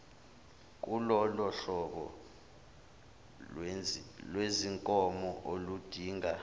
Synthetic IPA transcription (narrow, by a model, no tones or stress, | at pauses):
k̬ʼulɔlɔɬɔɓɔ̰ | lweziŋkʼɔmɔʔolud̥ʱiːŋa